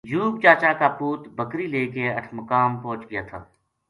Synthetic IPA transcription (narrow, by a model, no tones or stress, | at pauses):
d͡ʒuːb̚t͡ʃaːt͡ʃaːkapuːt̪bəkɾiːleːkeɐʈʰməkaːmpɔ̃ːt͡ʃɡɪjaːt̪ʰa̰ː